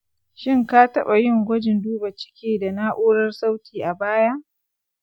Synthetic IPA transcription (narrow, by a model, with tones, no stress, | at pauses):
ʃɪ˦ŋkaː˦tɐ˦ɓa˨jɪ˦˨ŋɡʷɐ˦d͡ʒɪ˨nduː˦ba˨t͡ʃɪ̥˦kʲeː˦da˨naː˦ʔoː˦ɽɐ˦rsa˦wtʰiː˨ʔa˨baː˦ja˦ʔ